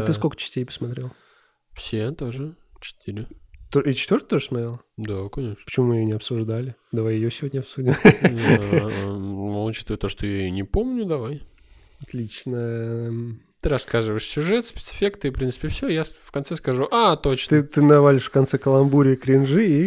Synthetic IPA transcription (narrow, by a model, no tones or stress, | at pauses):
ɨskokə̥t͡ɕɪ̥sʲtʲejpə̥smɐt̪ɾʲelˠ | fsʲet̪oʐɨt͡ɕɪ̥t̪iɾʲɪt̪oit͡ɕɪ̥t̪vʲort̪ət̪oʐəsmɐt̪ɾʲelˠ | d̪akɐnʲe̞ʂnpə̥t͡ɕɪmumɨɪjonʲɪɐpsʊʐd̪alʲɪd̪ɐvajɪjosʲɪvodʲnʲəɐpsudʲɪm | nolˠt͡ɕi̥st̪ːt̪oʂt̪ojanʲɪpomnʲʊd̪ɐvaj | ɐt̪lʲit͡ɕnəjə | t̪ɨɾɐskazɨvəɪʂsʲʊʐɛt̪spʲɪ̥t̪sɨ̥fʲekt̪ɨpɾʲint̪sɨ̥pʲɪfsʲojafkɐnt̪sɛskɐʐuʔat̪ot͡ɕnt̪ɨt̪ɨnɐvalʲɪʂfkɐnt̪sɛkəlˠɐnbuɾʲɪəkɾʲɪnʐɨi